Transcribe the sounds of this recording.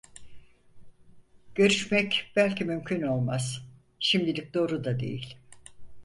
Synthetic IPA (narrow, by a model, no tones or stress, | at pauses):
ɟ̥ø̞ɾyʃmɛcb̥ælʲcimymcʰyno̞lˠmaz̥ | ʃimd̪ilʲic̚d̪o̞ːɾud̪ad̪e̞̰jḭlʲ